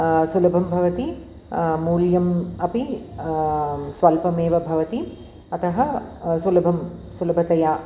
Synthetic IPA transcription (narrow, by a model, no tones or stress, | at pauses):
sulɐbʱɐmbʱɐʋɐt̪i | muːljɐmɐpi | sʋɐlpɐmeːʋɐbʱɐʋɐt̪i | ɐt̪ɐɦɐsulɐbʱɐmsulɐbʱɐt̪ɐjaː